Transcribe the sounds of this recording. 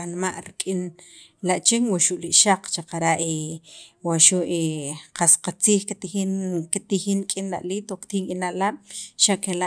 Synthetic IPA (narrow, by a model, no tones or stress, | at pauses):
anmaʔɾikʼinlaʔt͡ʃiŋwaʃuʔliʔʃaq͡χt͡ʃaqaɾaʔiwaʃuʔeqasqat͡siːxkit̪ixinkit̪ixinkʼinla̰ʔliːt̪okt̪iːŋinaʔlaɓ̥ʃaʔkelaʔ